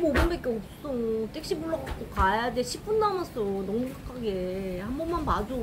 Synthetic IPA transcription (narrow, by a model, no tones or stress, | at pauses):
mobunbek͈eok͈s͈omt͈ʰek̚ɕ͈ibuɭʌɡak͈okajadeɕʰip͈undamʌs͈ʰonʌmukʰakʰaɡehambʌnmanmad͡ʑo